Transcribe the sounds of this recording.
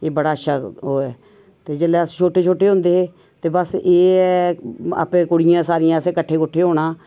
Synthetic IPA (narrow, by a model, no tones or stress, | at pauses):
eːbəɽaːəʃʰaːɦoːɛː | t̪eːd͡ʒelɛːəst͡ʃʰoːʈeːt͡ʃʰoːʈeːɦõːnd̪eːɦeː | t̪eːbəseːɛa̰ːpẽːkʊɽɪjãːsaːɾɪjãːəsẽːkəʈʰːeːkʊʈʰːeːɦoːɽaː